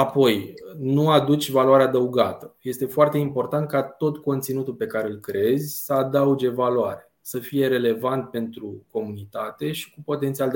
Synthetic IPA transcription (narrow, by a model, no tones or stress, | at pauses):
apo̞jnuad̪ut͡ʃʲvaloaɾead̪əuɡat̪əje̞st̪e̞foart̪e̞impo̞rt̪ant̪̚kat̪o̞t̪ko̞nt̪sinut̪ulpe̞kaɾeɨlkɾe̞zʲsəad̪aud͡ʒe̞valoaɾe | səfije̞ɾe̞le̞vant̪̚pe̞nt̪ɾuko̞munit̪at̪e̞ʃi̥kupo̞t̪ent̪siald̪